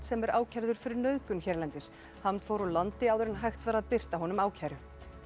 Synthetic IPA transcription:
t̪sɛmɛɾʔaːwcʰaɾðʏɾ̥fɪɾɪɾnœðkʏnçɛɾlɛnt̪ɪs | hant̪fowɾɔlant̪ɪaːwðʏɾɪnɦajxt̪vaːɾaðpɪr̥t̪aɦɔnʏmaːwcʰaːjɾʏ

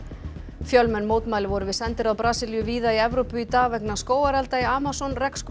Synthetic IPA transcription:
fjœlmɛnːmoːwt̪maːjlɪvɔɾʏvɪðsɛnt̪ɪɾawpɾaːsɪljʏviːðaiɛvɾowpʏit̪aːvɛknaskoːwaɾɛlt̪aiaːmasɔnrɛksk

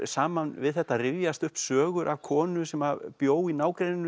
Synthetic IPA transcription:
saːmanvɪðθɛht̪ːarɪvjast̪ʏhpsœːɣʏɾʔavkʰɔːnʏsɛmapjoːwinaːwkɾejnɪn

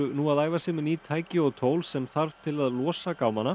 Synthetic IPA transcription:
ʏnuːaðaːjvasɪːmɪnit̪ʰaːjcɪɔɣt̪ʰoːwlsɛmθaɾv̥t̪ʰɪlaðlɔːsakawmanːa

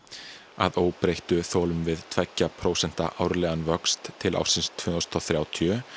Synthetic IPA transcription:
a̰ðoːwpɾejht̪ʏθɔːlʏmvɪðt̪ʰvɛcːapʰɾoːwsɛn̥t̪a̰ʔaːwɾlɛːɣanvœkst̪ʰːɪlʔa̰wsɪnst̪ʰv̥ʏːnst̪ʰɔwθɾjaːwt̪ʰjʏ

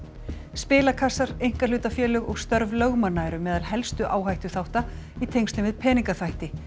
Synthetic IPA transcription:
spɪːlakʰasːaɾejŋ̥kalʏːt̪afjɛːlʏɣɔɣst̪œɾvlœɣmanːaːjɾʏmɛːðalhɛlst̪ʏʔaːwɦajht̪ʏθawht̪a | it̪ʰejŋst̪ʏmvɪðpʰɛːniŋkaθajht̪ɪ

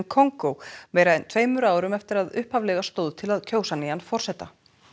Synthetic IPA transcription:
nkʰoŋkowvɛːɾaɛnt̪ʰveːjmʏɾaːwɾʏmɛft̪ɪɾaðʏhphavlɛɣast̪oːwðt̪ʰɪlaðcʰoːwsanijanfɔr̥sɛt̪a

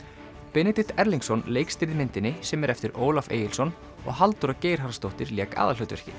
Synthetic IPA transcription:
pɪnɪt̪ɪt̪ʰɛɾliŋksɔnleːjkst̪ɪɾðmɪnt̪ɪnɪsɛmɛɾɛft̪ɪɾoːwlafḛːjɪlsɔn | ɔ̰ɣɦalt̪uɾaceːjɾ̥ɦaɾast̪owht̪ɪɾljɛːka̰ːðalœt̪vɛɾ̥cɪ̰

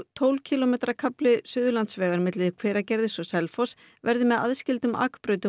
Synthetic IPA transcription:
t̪ʰowlcʰilɔmɛjt̪ɾakʰaplɪsʏːðʏlant̪svɛːɣaɾmɪt̪lɪðkʰvɛːɾacɛɾðɪsɔsɛlfɔs | vɛɾðɪmɛða̰ðscɪlt̪ʏma̰ːkpɾœːɥt̪ɪ

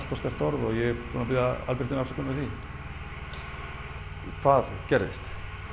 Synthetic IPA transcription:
st̪ɔst̪ɛr̥t̪ɔɾðɔjɛpʰunapɪðaa̰lpɪr̥t̪ɪnasɔ̥kʰɔnɪθi | kʰvaːðcɛɾðɪ̰st̪

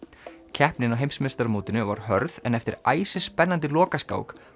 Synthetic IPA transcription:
cʰɛhpnɪnawɦejmsmɪst̪aɾmuːt̪ɪnʏva̰ɾ̥ɦœɾðɛnɛft̪ɪɾaːjsɪspɛnːant̪ɪlɔːkaska̰ːwk

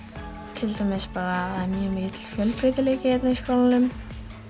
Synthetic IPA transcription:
t̪ʰɪlt̪ajmɪspaːɾaðaɾmjʏːmɪt̪l̥fjœlpɾɪːt̪ɪleːcɪɛt̪naiskoːwlanʏm

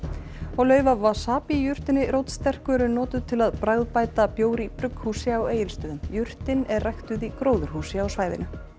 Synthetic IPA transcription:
ɔɣlœːɥvavasaːpijʏr̥t̪ɪnɪɾowt̪st̪ɛr̥kʏɾʏnɔːt̪ʏðt̪ʰɪlaðpɾaɣðpaːjt̪apjoːwɾipɾʏkhuːsɪaweːjɪlst̪œːðʏmjʏr̥t̪ɪnɛrrajxt̪ʏðikɾoːwðʏɾ̥huːsɪawsvaːjðɪ̰nʏ

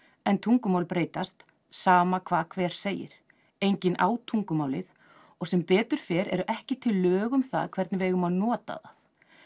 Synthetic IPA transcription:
ɛnt̪ʰuŋkʏmawlpɾeːjt̪ast̪ | saːmakʰvaːðkʰvɛːɾ̥seːjɪ̰ɾ̥ | ejɲcɪnʔa̰ːwt̪ʰuŋkʏmaːwlɪð | ɔɣsɛmpɛːt̪ʏɾ̥fɛːɾɛ̰ɾʏʔɛhcɪt̪ʰɪlːœːɣʏmθa̰ðkʰv̥ɛɾt̪nɪvɪejɣʏmaðnɔːt̪a̰ða̰θ

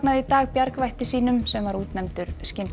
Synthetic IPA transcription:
naðit̪aːɣpjaɾkvajht̪ɪsiːnʏmsɛmvaɾuːt̪nɛmt̪ʏɾ̥scɪn

